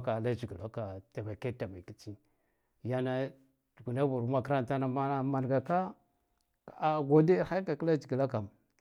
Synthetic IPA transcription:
ka˨la˦d͡ʒi˨ɡi˨la˦ka˨ta˨ba˨ke˦ta˨ma˨ki˦t͡ʃi˦ | ja˦na˦ | dɡu˨na˦vu˨ɾu˦ma˦kɾa˦n˨ta˦na˨a˦ma˨n˨ɡa˨ka˦ | a˨a˨ɡo˦de˦ha˦ka˨kla˦d͡ʒi˨ɡi˨la˦ka˨m

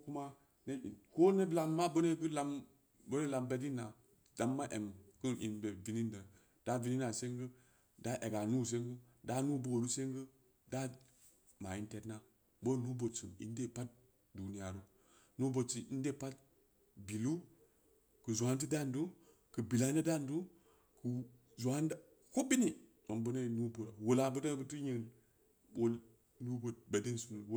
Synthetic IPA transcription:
ku˦ma˦ | ne˦˨ko˦ne˦bla˦mːa˦bə˦ne˦ɡɨ˦la˦m | bo˦ne˦la˨mbe˦di˦na˨ | d̥a˨mːa˦ʔe˨mkɨ˦ʔḭ˨nbe˨vi˨ni˦ndə˨ | d̥a˦vi˦ni˦na˨se˦ŋɡə˦ | da˦ʔe˨ɡa˨nu˦s̬e˦ŋɡɨ˦da˨˦nu˦bo˦˨ɾu˦se˦ŋɡə˦ | da˦ | ma˨i˦nte˦tna˦ | bo˦˨nu˦bo˨t͡su˨ḭ˨˦n˦de˦˨pa˦t̚ | du˨ni˦ja˨ɾu˦ | nu˦bo˨t͡ʃi˨ʔi˦nde˦˨pa˦t̚ | bi˨lu˦ | kə˨zu˨a˦nt̬i˦da˦˨ndu˦ | kə˨bi˨la˦na˦da˦ndu˦ | ku˨ | zu˨a˦nda˦ | ko˦bi˦ni˨ | o˨mbu˦na˦˨nu˦bo˨ɾa˨wo˨la˨bə˦ta˦bə˦tu˦ɲi˦˨ | o˦l | nu˦bo˨t̚ba˨de˦nsu˨nu˨w

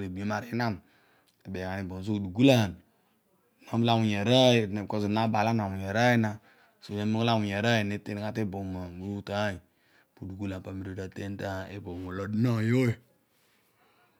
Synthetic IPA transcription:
ɾe˨bma˨ɾi˦na˦m | e˨be˨ka˨ni˨bo˨s̬o˦˨du˨ɡu˦la˦ha˨n˨ | no˨˦m˦la˦mu˨ɲe˨ɾa˦i˨ne˨ko˨zu˨na˦ba˨la˦na˨mu˨je˨ɾa˦ji˦na˨ | so˨je˨˦mu˦kla˦mu˨ɲe˨ɾa˦ji˨ne˦te˦n˦ka˦te˦bo˨ma˨ɾu˦ta˨˦i˨ | pu˨du˨ɡu˦la˨pa˨mi˨ɾu˦˨ta˨te˦n˦ta˦˨e˦bo˨mo˨lo˨dno˦˨jo˦je˨

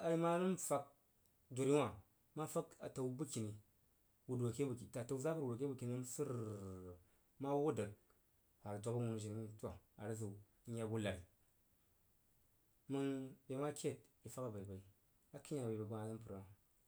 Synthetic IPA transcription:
a˨ji˦ma˦nɨ˦nfa˦k̚ | do˨ɾi˦wa˨ | ma˦fa˦ka̰˨ta˨wbɨ˦ki˨ni˨ | wu˨da˨ke˦bkta˨ta˨wza˦bu˦ɾwo˨ke˦bu˨ki˨ni˦nsɨ˦ɾ | ma˦wo˦də˨ɡ̚ | a˨dʷa˨ba˦wu˨n˨ʒi˨ŋ˦ni˦tʷa˨a̰˨ɾə˦zu˨˦ | ɲa˨bu˦la˨ɾi˨ | mɨ˦ŋbe˨˦ma˦kʲe˦˨t̚i˨fa˦ka˦ba˨i˨ba˨i˨ | a˦ki˦ɲ˦a˦˨ba˨ba˨ɡa˦a˨nɨ˦pɨ˨ɾa˨a˨

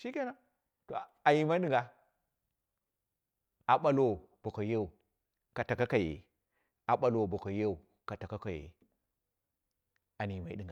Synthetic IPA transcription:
ʃi˦ke˦na˦ | to̰˨a˨ji˨ma˦i˦i˦˨ŋɡa˨ | a˨ɓa˦lo˦˨ | b̥o˨ko˨je˦u˨ | ka˨ta˨ka˦ka˨jḛ˨ | a˨ɓa˦lo˨bo˨ko˨je˦u˨ | ka˨ta˨ka˦ka˨jḛ˨ | a˨ni˨ma˨˦i˦di˨ŋɡa˨

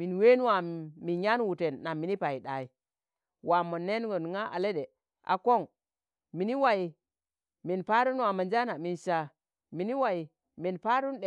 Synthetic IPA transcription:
mi˨nwe˦n˦wa˨mi˨ɲa˦n˦wu˨te˨nːa˨mːi˨ni˦pa˨ji˨ɗa˨i˨ | wa˨mo˨nːe˦n˦ɡo˨nŋa˦ʔa̰˨le˦ɗe˨ | ʔa̰˨ko˦˨ŋ | mi˨ni˦wa˨ji˨ | mi˨npa˦ɾu˦n˦wa˨ma˨nd͡ʒa˦na˨mi˨nʃa˨ | mi˨ni˦wa˨ji˨ | mi˨npa˦ɾu˦nɗe˨

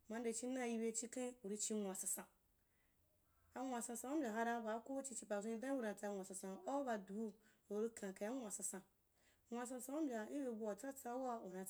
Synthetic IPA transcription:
mã˨˧n˦de˨t͡ʃi˦na˦˨ji˧be˧˦t͡ʃi˧kã˦u˨ɾi˧t͡ʃi˧ŋʷa˨sa˧sã˨ | a˧wʷa˨sã˧sã˧u˦bʲa˨ɦa˧ɾa˧ba˨˦ko˦t͡ʃi˧t͡ʃi˧pa˨zʷũ˦˧i˧˦da˦u˦˨ɾa˨˧t͡sa˧ŋʷ˨a˨sã˨sã˨o˦ba˧du˨˦ | o˨ɾi˦kʰã˨ka˨a˦ŋʷ˦a˨sã˧sã˨ | ŋʷa˨sã˧sã˧u˦m̩˦bʲa˨i˦be˧˨bu˧a˨t͡sa˦t͡sa˦wa˦u˨ɾa˧˦

